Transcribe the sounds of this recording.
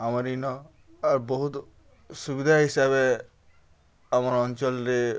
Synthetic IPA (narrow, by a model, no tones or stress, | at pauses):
amaɾinɔ | aɾboɦut̪ | subid̪ʱaɦisaβe | amaɾɔnt͡ʃɔlɾe